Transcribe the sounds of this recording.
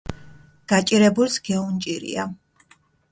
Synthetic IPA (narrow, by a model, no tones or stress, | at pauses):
ɡ̥at͡ʃʼiɾɛbulsɡ̥ɛunt͡ʃʼiɾḭa